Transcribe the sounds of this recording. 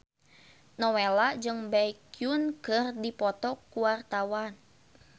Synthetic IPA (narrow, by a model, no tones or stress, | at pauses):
nɔwelad͡ʒɨŋbaikjunkɨrdipɔt̪ɔkuwart̪awan